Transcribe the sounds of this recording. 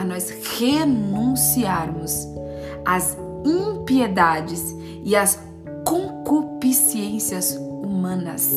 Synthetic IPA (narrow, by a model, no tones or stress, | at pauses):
ɐnɔs | henũsiaɾmʊs | ɐz | ĩpied̪ad͡ʒɪs | ɪɐs | kõkupisiẽsiɐzumɐ̃nɐ̰s